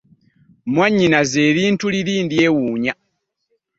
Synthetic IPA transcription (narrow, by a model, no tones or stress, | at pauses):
mwaɲːinazeːðiːntuliðiːndiewuɲa